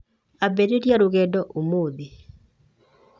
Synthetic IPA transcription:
abɛɾeɾjaɾoɣɛdɔʔomoːðe

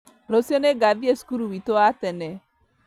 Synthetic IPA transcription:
ɾosjɔneɡaðiesu̥kuɾuwitoatɛnɛ

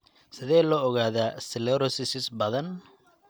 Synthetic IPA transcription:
sɪðɛːlɔːɣaːðaːsɪlɛɾɔsɪsɪsbɐðɐn

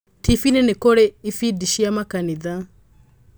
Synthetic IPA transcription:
tifinenekoɾɛifidiʃiamakaniða

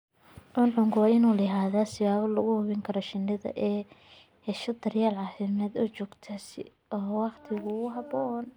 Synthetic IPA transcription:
ʕʊnʕʊŋkʊwɑːɪnuːlɐɦaːðasɪβaːβɐlɐɣʊhʊβɪŋkʰɐɾɔʃɪnːɪðɐ̰ʔɛː | hɛʃɐd̪ɐrjaːlʕɑːfɪmɛːd̪ɔːt͡ʃɔːɡt̪ʰaːsɪ̰ | ɔːwɑqt̪ʰɪɣʊʊɦɑbɔːn

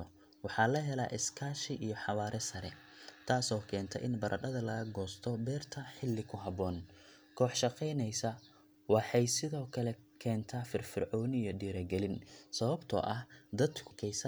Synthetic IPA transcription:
wɑħɑlɐɦɛla̰ːʔɪskʰaːʃɪʔijɔħɑβaːɾʔɛsɐɾɛ | t̪ʰaːsɔːkʰɛːnt̪ʰɛ̰ʔɪnbɐɾʔɐɗɐðɐlɐɣɐɡɔːst̪ʰɔbɛːrt̪ʰɐħɪlːɪkʰʊɦɑβɔːn | kʰɔːħʃɑqɛjnɛjsɐ | wɑħɑjsɪðɔːkʰɐlɛkʰɛːnt̪ʰaːfɪrfɪrʕɔːnijɔɖiːɾɐɡɛlɪnsɐβɐbt̪ʰɔ̰ːʔɐhd̪ɐd̪kʰʊkʰɛjsɐ

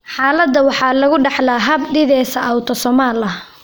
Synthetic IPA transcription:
ħɑːlɐd̪ːɐwɑħɑːlɐɣʊɖɑħlaːɦɐbɖɪðɛːsɐʔɐwt̪ʰɔsɔmaːlɐ

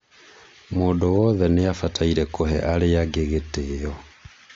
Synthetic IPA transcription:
moːndowɔðɛneafatʰaiɾɛkoɦɛ̰ʔaɾeaɡeɣeteɔ

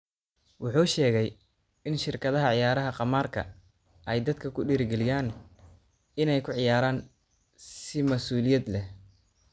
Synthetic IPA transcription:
wʊħuːʃɛːɣɛj | ɪnʃɪrkʰɐðɐɦɐʕɪjaːɾɐɦɐqɑmaːrkʰɐ̰ | ʔɛjd̪ɐd̪kʰɐkʰʊɖiːɾɡɛlɪjaːn | ɪnɛjkʰʊʕɪjaːɾaːn | sɪmɐsuːlɪjɐd̪lɛ

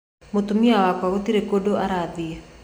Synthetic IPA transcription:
mot̪umiawakaɣot̪iɾekodoʔaɾad̪ia

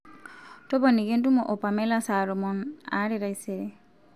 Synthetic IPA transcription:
tɔbanikendumɔʔɔpamɛlasaɾɔmɔna̰ɾiɾaiseɾe

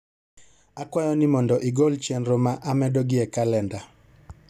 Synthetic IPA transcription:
akwajɔnɪmɔndɔʔɪɡɔlt͡ʃɛnɾomaʔamɛdɔɡɪɛkalɛnda

